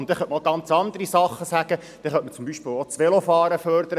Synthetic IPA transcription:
ʊntd̥̪ɛχœnʔmoɡɑnt͡sɑnd̪əɾisɑχːəsæɡ̥ə | d̥ɛχœnʔmət͡sʊmbiʃpɪːlot͡sʋɛlofɑːɾəfœɾd̪əɾə

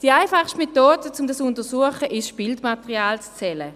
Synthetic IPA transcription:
d̥iaɪfaχʃtmetoːdət͡sʊmdasʊntəsuəχəʔɪʃb̥ɪldmatəʁiaːlt͡st͡sɛlə

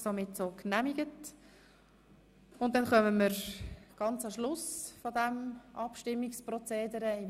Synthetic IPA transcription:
somɪtsoːknæmiɡ̥ət | ʊn̚dɛnχœməməɾɡ̥ɑnt͡sɑʃlʊsfɔd̪ɛmʔɑpʃtɪmːɪksprɔt͡seːdəɾəi

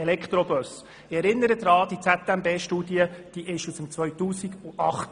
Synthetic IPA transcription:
elɛkχt̪ɾɔbœs | ɪɛɾɪnːəɾəd̪ɾɑːd̪̥it͡sæt̪ɛmbeːʃtuːdiəd̥iʔɪʃusəmt͡sʋœɥt̪uːsiɡuʔɑχt

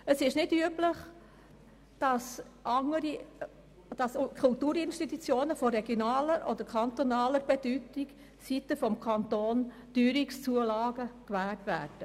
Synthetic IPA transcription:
əsɪʃnɪdyəpləχ | d̥ɑs | ʔɑŋəɾi | d̥ɑskʰult̪uːɾɪnʃtit̪ut͡sjoːnəfɔɾɛɡjonɑːləɾʔɔ̰d̥̪əɾkʰɑnt̪ɔnɑːləɾbɛd̥ytik | sit̪əfɔmkʰɑnt̪oːn | d̥yːɾikst͡suəlɑːɡəkʋæːltʋæːɾd̥ə

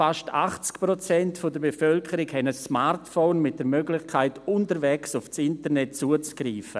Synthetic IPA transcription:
faʃtʰa̰χt͡skpɾot͡sɛntfodəɾbefœlkʰəɾɪkhɛnəsmaɾtfoːnmɪt̚d̥əɾmøɡlɪçkʰaɪtʊntəɾvɛksʊft͡sɪntənɛt̚t͡suət͡sɡ̥ɾiːfə

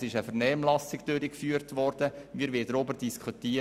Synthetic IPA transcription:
sɪʃəfəɾnɛːmlɑsɪɡd̥øɾikfyːəɾtʋɔɾd̥əmiːɾʋɪːdəɾʊbəɾd̥iskʰχuti

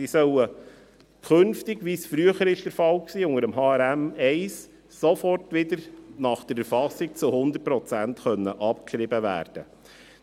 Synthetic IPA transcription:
isœwə | kʰɵnftɪɡʋisfɾyəχəɾɪʃd̥əɾfɑlksiːʊŋəɾəmɦɑːæɾæmɛɪs | sɔfɔrtʋɪd̪əɾnɑχd̥əɾɛɾfɑsɪk̚t͡sʊhʊnd̪ət̚pɾɔt͡sæntχœnːəʔɑpkʃɾɪbəʋæ̰ːɾd̥ə

